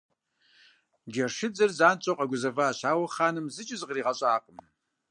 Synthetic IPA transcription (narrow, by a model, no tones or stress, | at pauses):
ɡʲarʂɨd͡zɨrzaːnt͡ʃʼoqʼaɡʷʊzɐvaːʃaːwaχaːnɨmzɨt͡ʃʼɪzqriːʁat͡ʃʼaaːqʼəm